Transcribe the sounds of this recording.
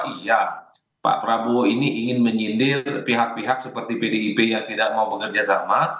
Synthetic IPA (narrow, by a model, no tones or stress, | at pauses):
ija | pa̰ʔpəɾaboiniʔiŋɪnməɲindɪrpiɦak̚piɦak̚səpərt̪ipedeipejaŋt̪idak̚maubəkərd͡ʒasa̰ma